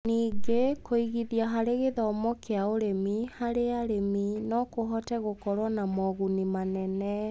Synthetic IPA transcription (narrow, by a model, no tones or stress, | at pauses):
niːɡekʰoiɣiðiaɦaɾeɣeðɔmɔkʰeaoɾemihaɾeaɾeminɔkoɦɔtɛɣokɔɾwanamɔɣunimanɛnɛ